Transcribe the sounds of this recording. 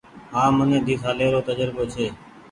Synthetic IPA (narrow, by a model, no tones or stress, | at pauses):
ɦãːmənẽːd̪ʱiːt̪ʰaːleːɾoːt̪əd͡ʒəɾboːt͡ʃʰeː